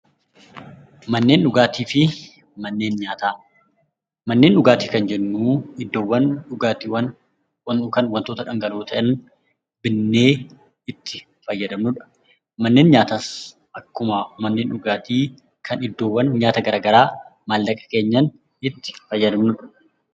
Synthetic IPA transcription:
mɐnːe̞ːnᶑʊɡaːt̪iːfɪ | mɐnːeːnɲaːt̪aː | mɐnːe̞ːnᶑʊɡaːt̪iːkɐnd͡ʒɛnːuːɪd̪ːoːwːɐnᶑʊɡaːt̪iwɐn | kɐnwɐnt̪oːt̪ɐᶑɐŋɡɐloːt̪ʰɐʔɐn | bɪnːe̞ː | ɪt̪ːɪ | fɐjːɐd̪ɐmnʊᶑɐ̥ | mɐnːe̞ːnɲaːt̪as | ʔɐkːʊmɐmɐnːe̞ːnᶑʊɡaːt̪iː | kʰɐnɪd̪ːo̞ːwːɐnɲaːt̪ɐɡɐɾaːɡɐɾaːmaːlːɐkʼɐ̥ke̞ːɲːɐn | ɪt̪ːɪ̥fɐjːɐd̪ɐmnʊᶑɐ̥

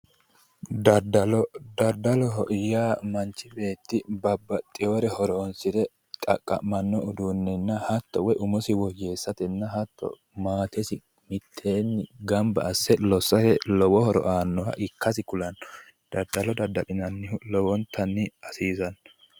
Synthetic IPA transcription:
d̪ɐd̪ɐlɔd̪ɐɾd̪ɐlɔɦɔʔjaːmɐnt͡ʃːɪbe̞ːt̪ːɪbɐbːɐt̪ʼːɪjoːɾɛhɔɾɔːnsɪd̪ɛ | t̪ʼɐ̰kʼːɐ̰mɐnːɔʊd̪unːɛnːɐhɐt̪ːɔwɛjʔʊmɔsɪwɔd͡ʒe̞ːsːɐt̪ɛnːɐɦɐt̪ːɔ̰ | maːt̪ɛsɪ | mɪt̪ʰːeːnːɪɡɐmbɐ̰ːsːɛlɔsːɐɾɛlɔwɔhɔɾɔ̰ʔaːnːɔwɐ̰ʔɪkːɐsɪkʊlɐnːɔ̥ | d̪̥ɐɾd̪ɐlɔd̪ɐd̪ɐlɪnɐnːɪlɔwɔnt̪ʰɐnːɪɐsiːzɐnːɔ

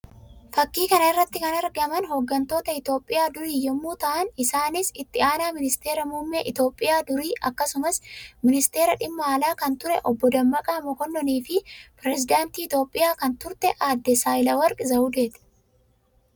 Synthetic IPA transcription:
fɐkːiːkɐnɐɪrːɐt̪ːɪkɐnɐɾɡɐmɐnɦoːɡːɐnt̪o̞ːt̪ɐɪt̪o̞ːpʼːɪjaːd̪ʊɾiːjɔmːuːt̪ɐʔɐnɪsaːnɪsɪt̪ːɪaːnaːmɪnɪst̪e̞ːɾɐmuːmːɛʔɪt̪o̞ːpʼːɪjaːd̪ʊɾiːʔɐkːɐsʊmɐsmɪnɪst̪e̞ːɾɐᶑɪmːɐːlaːkɐnt̪ʊɾɛʔɔbːɔd̪ɐmːɐkʼɐmɔkɔnːɔniːfɪpɾɛzɪd̪aːnt̪iːɪt̪o̞ːpʼːɪjaːkɐnt̪ʊɾt̪ɛʔaːd̪ːɛsaːjɪlɐwɐɾkʼɪzɐʊd̪eːt̪ɛ̥

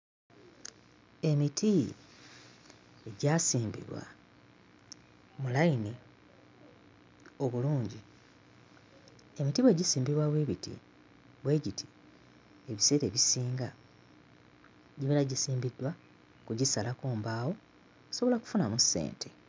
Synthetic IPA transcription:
e̞mitʰi | eɟasiːmbḭβwa̰ | mulaine | o̞βuluːɲɟi | e̞mitiβwe̞ːɟisiːmbiβwaβwe̞ːβitḭ | βwe̞ːɟiti̥ | eβise̞ːɾe̞̰βisiːŋɡa | ɟiβeɾaɟisiːmbidːwa | kuɟisalakuːmbaːwo̞ | so̞βo̞laku̥funamusːḛːntʰe̞

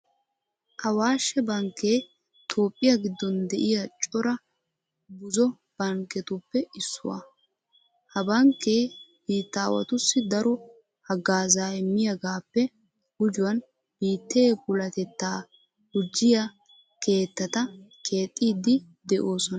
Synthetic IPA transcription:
ʔɐwaːʃːɛbɐŋkːeː | t̪ʰo̞ːpʼːɪjɐɡɪd̪ːɔnd̪ɛʔɪjɐt͡ʃʼɔɾɐ | bʊzɔ | b̥ɐŋkːɛt̪ʊpːɛɪsːʊ̰wɐ̰ | hɐbɐŋkːeːb̥iːt̪ːaːwɐ̰t̪ʊsːɪd̪ɐɾɔ | hɐɡaːzaːɪmːɪjɐɡaːpːɛ | hʊd͡ʒʊwɐn | b̥iːt̪ːe̞ːbʊlɐt̪ɛt̪ːaː | hʊd͡ʒːɪjɐ | kʰe̞ːt̪ːɐt̪ɐkʰe̞ːt̪ʼːiːd̪ɪ | d̪ɛʔo̞ːsɔnɐ

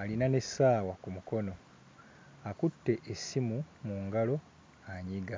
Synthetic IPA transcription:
alinane̞saːwakumuko̞no̞ | akutːe̞ʔesimumuːŋɡalo̞ | aɲiɡa

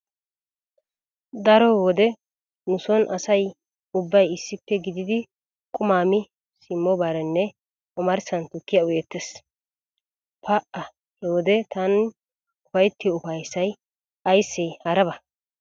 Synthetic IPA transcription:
d̪ɐɾɔwɔd̪ɛ | nʊsɔnʔɐsɐj | ʊbːɐjɪsːɪpːɛɡɪd̪ɪd̪ɪ | kʼʊmaːmɪ | sɪmːɔbaːɾɛnːɛ | ʔɔmɐɾsɐnt̪ʊkːɪjɐʊjɛt̪ːɛs | pɐʔɐ | wɔd̪ɛt̪ɐn | ʊfɐjt̪ːɪʊfɐjsɐj | ɐjsːɛjhɐɾɐbɐ

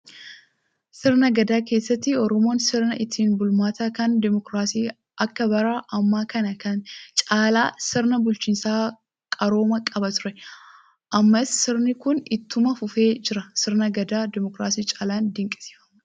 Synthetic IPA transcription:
sɪɾnɐɡɐd̪aːke̞ːsːɐt̪ːɪɔɾɔmo̞ːnsɪɾnɐʔɪt̪ʰːiːnbʊlmaːt̪aːkɐnd̪ɛmɔkɾaːsiː | ʔɐkːɐbɐɾaːʔɐmːaːkɐnɐkɐnt͡ʃʼaːlaːsɪɾnɐbʊlt͡ʃiːnsaː | kʼɐɾo̞ːmɐkʼɐbɐt̪ʊɾɛ | ʔɐmːɐsːɪɾnɪkʊnɪt̪ːʊmɐfʊfe̞ːd͡ʒɪɾɐsɪɾnɐɡɐd̪aːd̪ɪmɔkɾaːsiːt͡ʃʼaːlaːnd̪ɪŋkʼɪ̥si̥ːfɐ̥mɐ

